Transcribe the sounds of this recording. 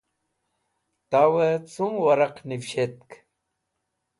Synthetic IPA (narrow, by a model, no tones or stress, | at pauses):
t̪awet͡sumwɐɾɐqnifɕet̪̚k